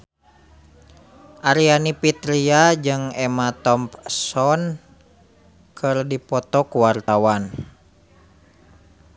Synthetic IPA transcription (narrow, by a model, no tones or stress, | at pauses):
ʔaɾianipit̪ɾiad͡ʒɨŋɛmat̪ɔmpsɔn | kʰɨrdipɔt̪ɔkuwart̪awan